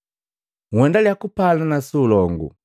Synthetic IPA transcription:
ŋwɛndaljakupalanasulɔŋɡṵ

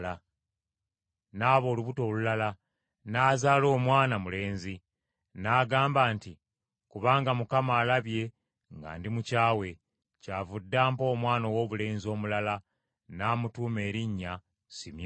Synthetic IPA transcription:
la | naːβo̞ːluβuto̞ːlulala | naːzaːlo̞ːmwaːnamule̞ːnzi | naːɡaːmbaːnti | kuβaːŋɡamukamaːlaβje̞ | ŋɡa̰ːndimucaːwe̞ | caːvudːaːmpo̞ːmwaːno̞wo̞ːβule̞ːnzio̞ːmulala | naːmutuːme̞ːɾiɲːa | simj

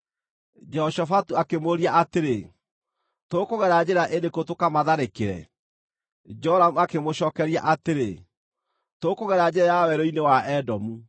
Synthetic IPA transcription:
d͡ʒɔʃɔfatuakemoɾiaʔateɾe | toːkoɣɛɾad͡ʑeɾaʔedekotokamaðaɾekeɾɛ̰ | d͡ʒɔɾamuakemoɕɔːkɛɾia̰ʔateɾe | toːkoɣɛɾad͡ʑeɾajawɛɾoinewaʔɛdɔmu

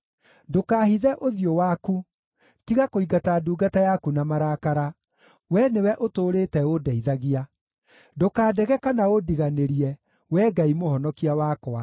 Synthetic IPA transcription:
dokaːɦiðɛʔoðiowaku | tiɣakoiɡataduːɡatajakunamaɾaːkaɾa | wɛnewɛʔotoːɾetɛodɛiðaɣia | dokaːdɛɣɛkanaodiɣaneɾiɛ | wɛːɡaimoɦɔnɔkiawakɔa

